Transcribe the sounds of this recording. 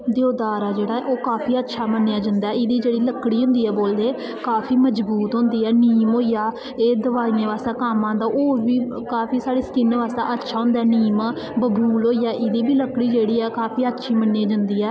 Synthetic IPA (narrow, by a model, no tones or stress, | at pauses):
d̪joːd̪aːɾaːd͡ʒeːɽaːɛːʔoːkaːpʰiːətːʃʰaːmənːeːaːd͡ʒə̃nd̪aːɛːɪd̪iːd͡ʒeːɽiːləkːɽiːɦʊ̃nd̪iːɛːboːld̪eː | kaːpʰiːməd͡ʒbuːt̪ɦʊ̃ːnd̪iːɛːniːmɦoːijaː | eːd̪əʋaːiːãːʋaːst̪aːkaːmãːd̪aːʔoːʋiː | kaːpʰiːsaːɽiːsə̥kɪnʋaːst̪a̰ːʔətːʃʰaːɦʊ̃nd̪aɛːniːmː | bəbʱuːlɦoːijaːʔɪd̪iːbiːləkːɽiːd͡ʒeːɽiːɛːkaːpʰiːətːʃʰiːmənːaːd͡ʒə̃nd̪iːɛː